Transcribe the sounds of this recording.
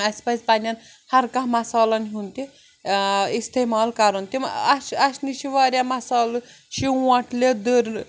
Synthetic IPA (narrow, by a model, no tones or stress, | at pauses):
ɐsʲpɐsʲpɐnʲɐn | hɐɾkãɦmɐsaːlɐnɦunt̪i | ist̪eːmaːlkɐɾunt̪imɐʃɐsniʃʰiʋaːɾʲjamɐsaːl | ʃĩɐʈʰled̪əɾ